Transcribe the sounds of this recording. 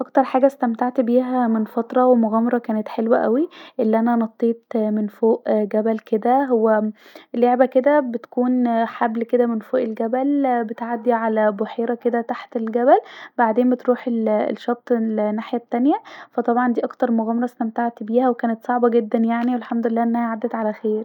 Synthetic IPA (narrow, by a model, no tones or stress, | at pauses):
ʔɑkt̪ɑɾˤħaːɡæst̪æmt̪aʕt̪biːɦæmenfɑt̪ˤɾˤɑwemoɣæːmɑɾˤɑkæːnet̪ħelwæʔæwiʔelːiʔænænɑt̪ˤːiːt̪menfoːʔɡæbælked̪æweleʕbæked̪æbet̪ækuːnħablked̪æmenfoːʔelɡæbælbet̪ʕad̪ːiʕalæboħeːɾɑked̪æt̪aħt̪elɡæbælbaʕd̪eːmbet̪ɾuːħel̰lʃːɑb̚t̪ːˤlenːaːħjæt̪ːænjæfæt̪ˤɑbʕɑnd̪iːʔɑkt̪ɑɾˤmoɣæːmɑɾˤɑsnæmt̪aʕt̪ibiːhæwekæːnet̪sˤɑʕbɑɡed̪ːænjaʕniwelħamd̪olelːæːʔenːæhæʕad̪ːæt̪ʕalæxeːɾ